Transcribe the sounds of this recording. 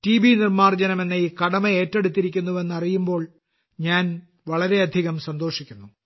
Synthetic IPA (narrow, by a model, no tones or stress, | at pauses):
tiːbinirmaːrd͡ʑɐnɐme̞nːɐiːkɐɽɐmɐeːtːe̞ɽut̪ːiɾikʲːunːuʋe̞nːɐrijumbo̞ːɭ | ɲaːn | ʋɐɭɐɾe̞ɐd̪ʱiɣɐmsɐnd̪o̞ːʂikʲːunːu